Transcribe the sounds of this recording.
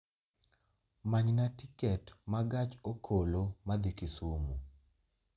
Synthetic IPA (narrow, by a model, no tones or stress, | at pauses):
maɲnatikɛtmaɡat͡ʃokʰolomad̪ikisumu